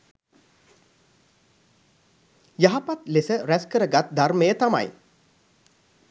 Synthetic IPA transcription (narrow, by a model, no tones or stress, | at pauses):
jaɦapat̪lesəɾæskəɾəɡat̪̚d̪ʱarməjət̪ama̰j